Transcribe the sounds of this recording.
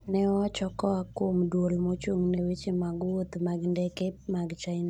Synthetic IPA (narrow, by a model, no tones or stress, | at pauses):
nɛwat͡ʃɔkɔakomdwolmot͡ʃuŋnewet͡ʃemaɡwot̪maɡndɛkep̚maɡt͡ʃaɪna